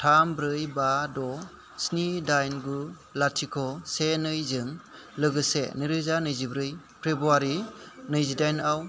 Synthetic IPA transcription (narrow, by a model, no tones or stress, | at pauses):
tʰambɾɯjbadɔ | snidajnɡu | latʰikʰɔsenɯjzɯŋ | lɯɡɯsḛnɯɾɯzanɯjzibɾɯj | pʰɾebɾuaɾinɯjzidajnaw